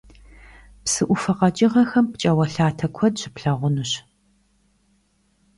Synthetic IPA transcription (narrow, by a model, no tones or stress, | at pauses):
psɨʔʷʊfɐqɐt͡ʃʼɪʁɐxɐmpt͡ʃʼɐwɐɬaːtʰɐkʷʰɔdɕɪpɬɐʁʷʊnuɕ